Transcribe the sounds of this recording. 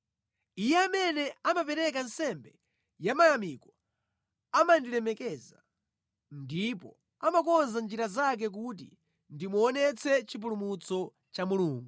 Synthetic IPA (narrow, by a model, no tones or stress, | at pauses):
ijɛamɛnɛamapɛɾɛk̬ansɛmbɛ | jamajamikɔ | amandilɛmɛkɛza | ndipɔ̰ | amakɔnzand͡ʒiɾazak̬ɛk̬ut̬ḭ | ndimuɔnɛt͡sʰɛt͡ʃip̬ulumut͡sɔ | t͡ʃamuluːŋɡu